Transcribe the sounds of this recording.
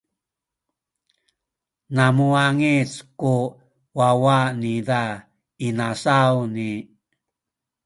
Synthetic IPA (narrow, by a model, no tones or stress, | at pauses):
namuaŋit͡sku | wawanida | inasawni